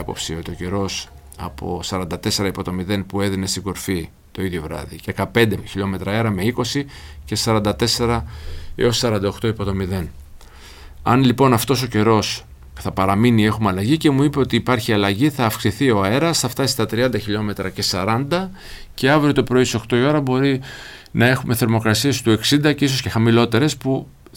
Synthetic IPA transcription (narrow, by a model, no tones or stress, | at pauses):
ɐpo̞̰psio̞t̪io̞ce̞ɾo̞s | ɐ̰po̞̰sɐɾɐnd̪ɐt̪e̞se̞ɾɐipo̞t̪o̞miðe̞npueðine̞st̪iɡo̞ɾfi | t̪o̞iðʝo̞vɾɐ̰ðiekɐpe̞nd̪eçiʎo̞me̞t̪ɾɐe̞ɾɐme̞iko̞si | ce̞sɐɾɐnd̪ɐt̪e̞se̞ɾɐḛossɐɾɐnd̪ɐoxt̪oipo̞t̪o̞miðe̞n | ɐ̰nlipo̞nɐft̪o̞so̞ce̞ɾo̞s | θɐpɐɾɐminie̞xumeɐlɐʝice̞muipe̞o̞t̪iːpɐɾçiɐlɐʝiθɐːfksiθio̞e̞ɾɐsθɐft̪ɐsist̪ɐt̪ɾiɐnd̪ɐçiʎo̞me̞t̪ɾɐce̞sɐɾɐnd̪ɐ | ce̞ɐvɾio̞t̪o̞pɾo̞iso̞kt̪o̞io̞ɾɐbo̞ɾi | nɐe̞xume̞θe̞ɾmo̞kɾɐsie̞st̪ue̞ksind̪ɐciso̞sce̞xɐmilo̞t̪e̞ɾe̞spu